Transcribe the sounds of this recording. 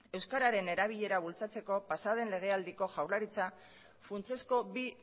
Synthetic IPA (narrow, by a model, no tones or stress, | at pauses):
e̞wskaɾaɾe̞ne̞ɾaβiʎe̞ɾaβ̞ult͡sat͡se̞ko̞pasað̞e̞nle̞ɣ̞e̞ald̪iko̞ʝawɾlaɾit͡sa | funt͡se̞sko̞bi